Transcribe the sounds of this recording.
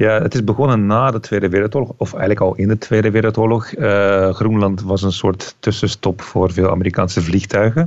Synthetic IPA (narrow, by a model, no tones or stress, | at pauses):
jaːətɪzbəɣɔnənːaːdətʋeːdəʋɪːrəl̩ˠtoːrlɔxɔfɛ̰jɣənləkɑlˠɪndətʰʋeːdəʋɪːɾəlˠtoːɹlɔxəxrunlɑntʋɑsənsʊːɹtːʏsəstɔpfʊːrveːlˠa̰məɾika̰ːnsəvlixtœɥɣən